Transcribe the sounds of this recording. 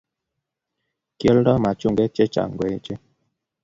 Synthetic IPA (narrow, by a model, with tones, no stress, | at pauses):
kjə˦ldɔ˦ma˨t͡ʃu˦˨ŋɡɛ˦t͡ʃe˦t͡ʃa̰˨ŋɡwe˨˦t͡ʃe˦